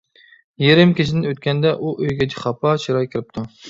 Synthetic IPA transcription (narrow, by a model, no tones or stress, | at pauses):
jeɾɪmkʲʰeʃʰɪd̪ɪnøt̪̚kʲɛnd̪ɛʔuʔøjɡʲɛd͡ʒiχɑpʰɑt͡ʃʰiɾɑjkʲʰiɾɪp̚t̪ʰu